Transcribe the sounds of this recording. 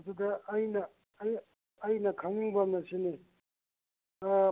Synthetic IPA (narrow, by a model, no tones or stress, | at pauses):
dud̪ɐːjnɐː | j | ɐjnɐkʰɐŋiŋbɐmnɐsini